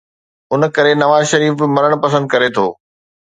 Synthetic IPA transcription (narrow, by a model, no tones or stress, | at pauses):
ʊnkɐɾenɐʋaːzʃɐɾiːfmɐɾəɽ̃pɐsə̃nd̪̚kɐɾet̪ʰo̰ː